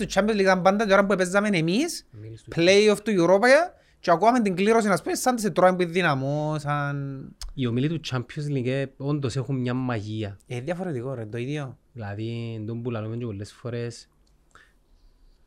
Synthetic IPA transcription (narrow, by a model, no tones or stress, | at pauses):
t̪ut͡ʃːampjozliɣamband̪at̪oɾamb̬uepezːamenemisplejoft̪ueɾopaja | t͡ʃeakuament̪iŋkliɾos̬inaspesːand̪is̬et̪ɾoembuiːinamosaniomilit̪ut͡ʃʰːampʰjos̬liɡeond̪osexumɲamːaʝiaeðjafoɾet̪ikoɾend̪oiðjoðilaðind̪ombulalumeɲt͡ʃepolːesfoɾes